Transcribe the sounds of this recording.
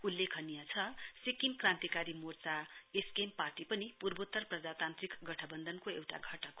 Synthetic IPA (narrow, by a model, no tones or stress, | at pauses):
ulːekʰʌnijat͡sʰʌsikimkrãnt̪ikaɾimort͡saeskemparʈipʌnipurbot̪ːʌrprʌd͡zat̪ant̪rikɡʌʈʰʌbʌnd̪ʱʌnkoewʈa̰ɡʱʌʈʌk